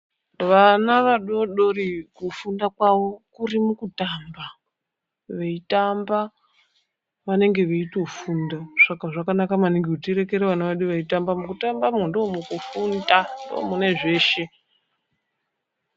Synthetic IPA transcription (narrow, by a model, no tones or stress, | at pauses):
ʋanaʋaɗo̞ɗo̞rikufundakwaʋo̞kurimukutaːmba | ʋeitamba | ʋane̞ŋɡe̞ʋeito̞fundaʂakaʐakanakamaniŋɡekutiɾe̞ke̞ɾeʋanaʋaɗuʋaitambamukutambamundomukufundando̰mune̞ʐe̞ːʃe̞